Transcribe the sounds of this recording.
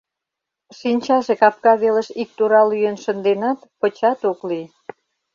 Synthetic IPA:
ʃinʲt͡ɕɑʒekɑp̚kɑβelə̆ʃik̚t̪uɾɑlyjənʃə̆nd̪enɑt̪pə̆t͡ɕɑt̪okli

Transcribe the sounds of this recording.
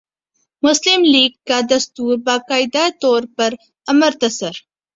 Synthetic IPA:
mʊslɪmliːɡ̚kad̪ɐst̪uːɾbaːkaːɪd̪at̪ɔːɾpɐɾ | ɐməɾt̪ɐsəɾ

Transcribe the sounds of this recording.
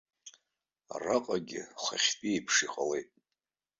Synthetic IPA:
a̰raqʼaɡʲɪχʷaχʲpʼiepʰʂiqʼale̞jtʼ

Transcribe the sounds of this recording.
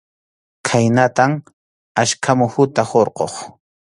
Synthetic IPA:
kʰajnat̪am | aʃkʰamʊhʊt̪ahoɾqo̰χ

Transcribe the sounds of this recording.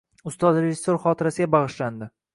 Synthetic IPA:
ʊst̪ɒd̪ɾeʒɪsːoɾχɒt̪ʰɪɾasɪɡʲabɑʁɨʃland̪ɪ

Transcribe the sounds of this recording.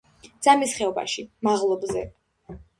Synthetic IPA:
d̪z̥amisχɛɔba̰ʃimaʁlˠɔbzɛ̰

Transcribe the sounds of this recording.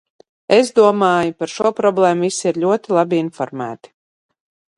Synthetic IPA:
ezd̪uɔmaːjupaɾʃuɔpɾɔblˠɛːmuvisiiɾʎʲuɔt̪ilˠabiinfɔɾmæ̰ːt̪i̥

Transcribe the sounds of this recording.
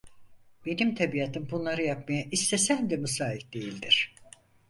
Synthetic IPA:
b̥e̞nimt̪ʰabijat̪ʰɯmbunlˠaɾɯjapmajaʔist̪ʰesænd̪ɛmusaːɦik̚d̪̥e̞jilʲd̪iɾ̝̥

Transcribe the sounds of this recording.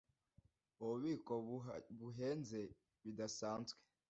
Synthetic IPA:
oβiːkoβuɦeːnze | βidasaːnzɡwe̥

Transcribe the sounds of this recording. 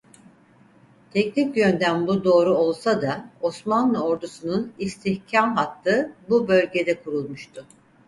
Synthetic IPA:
t̪ʰɛcnicjønd̪ænbud̪o̞ːɾuo̞lˠsad̪ao̞smanlˠɯo̞ɾd̪usununist̪ʰiçcʰamɦat̪ʰːɯːbubø̞lʲɟe̞d̪ɛkʰuɾulˠmuʃt̪ʰʊ

